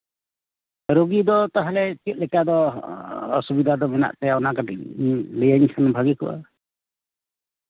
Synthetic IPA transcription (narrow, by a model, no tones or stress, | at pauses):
ɾoɡid̪ɔt̪aɦalɛt͡ʃ̪it̪̚ˀlɛkad̪ɔː | subid̪ʱad̪ɔmɛna̰ʔt̪ɛɔnaɡaʈḭklɛjaɲkʰanɔbʱaɡikṵʔa̰